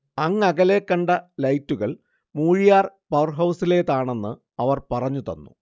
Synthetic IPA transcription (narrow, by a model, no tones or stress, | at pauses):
ɐŋːɐɣɐle̞ːkːɐɳɖɐlɐjtːuɣɐɭ | muːɻijaːrpɐwɐrɦɐwsile̞ːt̪aːɳe̞nːɨ | ɐʋɐrpɐrɐɲːut̪ɐnːṵ